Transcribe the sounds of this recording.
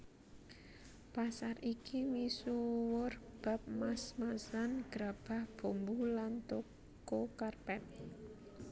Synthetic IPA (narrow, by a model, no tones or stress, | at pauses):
pasarikʰimisuwʊrb̥a̤p̚masmasanɡ̥ɾab̥a̤hb̥o̤mbulant̪o | kokarpɛt̪̚